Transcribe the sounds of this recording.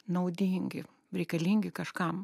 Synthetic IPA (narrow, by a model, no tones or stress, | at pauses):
nɐʊd̪ʲiːŋʲɡʲɪ | ɾʲɛɪkɐlʲiːŋʲɡʲɪkɐʃkɐm